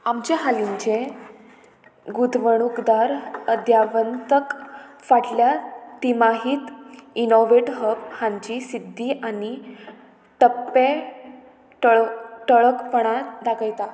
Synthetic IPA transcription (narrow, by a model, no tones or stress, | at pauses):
amt͡ɕeɦaliɲt͡ɕe | ɡud̪ʋəɽ̃ukd̪aɾəd̪ʱjaʋənt̪əkfaʈljat̪imaɦiːt̪inoʋeʈɦəbhãɲt͡ɕisid̪ʱːiʔani | ʈ̪əpːe | ʈʈəɭəkpəɽ̃ad̪aɡəjt̪a